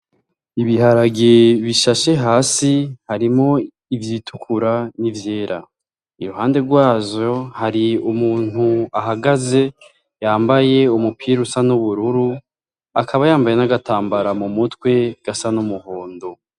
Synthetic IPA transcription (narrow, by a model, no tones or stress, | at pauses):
iβiɦaɾaɡeβiʃaʃe̞ɦaːsihaɾimo̞ | ivjiːtʰukʰuɾanivje̞ːɾʔa̰ | iɾuhaːnde̞ɾɡwaːzo̞haɾiumuːn̥huaɦaɡaze̞ | jaːmbaje̞umupʰiːɾusanuβuɾuɾu | akʰaβajaːmbaje̞naɡataːmbaɾamumutwe̞ɡ̥asanumuhoːndo